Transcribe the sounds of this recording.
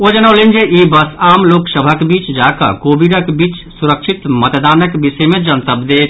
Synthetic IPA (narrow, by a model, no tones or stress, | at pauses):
od͡ʒənəʊlend͡ʒeibəsamloksəbʱəkebit͡ʃd͡ʒakə̰kobiɾəkbit͡ʃsuɾəkt͡ʃʰit̪mət̪d̪anəkbisəjmẽd͡ʒənt̪əbʱd̪et̪ʰ